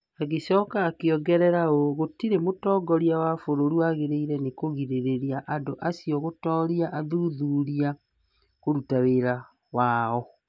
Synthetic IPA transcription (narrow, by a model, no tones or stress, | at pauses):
aɣesɔːkaːkeɔɡɛɾɛɾaoɣotiɾemotɔːɡɔɾiawafoɾoɾuaɣeɾeiɾɛnekoɣiɾeɾeɾiaʔandoʔasiɔɣotɔːɾiaʔaðuðuɾia | koɾutaweɾa | waːɔ